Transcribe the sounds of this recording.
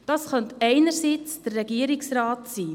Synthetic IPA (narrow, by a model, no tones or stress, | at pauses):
d̥ɑsχœntɛɪnəɾsit͡sd̥ərːɛɡiəɾiksrɑːtsiː